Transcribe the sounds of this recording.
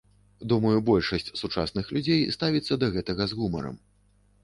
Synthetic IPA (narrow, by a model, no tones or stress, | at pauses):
d̪umɐjubɔlʲʂɐsʲt͡sʲsut͡ʂa̰snɨxlʲud͡zʲejst̪avʲit̪sːɐd̪ɐɣɛt̪ɐɣɐzɣumɐ̰ɾɐ̰m